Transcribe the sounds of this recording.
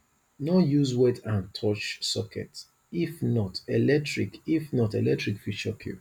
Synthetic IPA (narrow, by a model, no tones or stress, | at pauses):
nɔjuzwɛtʰãntʰɔt͡ʃsɔkʰɛ̰t | ifnɔtɛlɛk̚tɹikifnɔtɛlɛk̚tɹikfit͡ʃɔkʰjṵ